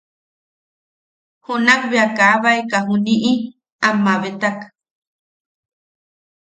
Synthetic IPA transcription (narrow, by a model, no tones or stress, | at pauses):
hunakβeakaβaekaɦuniʔi | amːaβet̪ak